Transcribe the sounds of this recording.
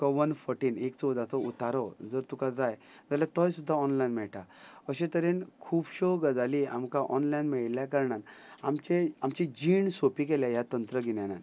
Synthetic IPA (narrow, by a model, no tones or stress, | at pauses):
kɔʋənfɔɾʈiːnekt͡sɔd͡zat͡sɔut̪aɾɔd͡zəɾt̪ukad͡zaj | d͡zaljat̪ɔ̃jsud̪ʱːaɔnlajnmɛɭʈaəɕẽt̪əɾenkʰuːbɕɔɡəd͡zalia̰mkaʔɔnlajnmɛɭljakəɾɳanamt͡ɕeamt͡ɕẽd͡ʑiːɳsopikeljajat̪ənt̪ɾəɡinjanan